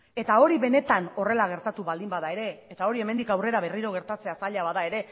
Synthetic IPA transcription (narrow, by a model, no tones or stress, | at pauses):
e̞t̪ao̞ɾiβe̞ne̞t̪ano̞re̞laɣ̞e̞ɾt̪at̪uβald̪imbaðae̞ɾe̞ːt̪ao̞ɾie̞mend̪ikawre̞ɾaβe̞riɾo̞ɣ̞e̞ɾt̪at͡se̞asaʎaβaðae̞ɾe̞